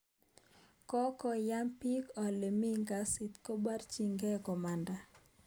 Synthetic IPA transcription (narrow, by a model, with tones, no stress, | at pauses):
kɔ˦kɔ˨ja˦mpi˦kɔ˨le˨mi˦ŋɡa˨sɪ˨t̪ko˦ba˦rt͡ʃi˨ŋɡɛ˦kɔ˨ma˨nda˨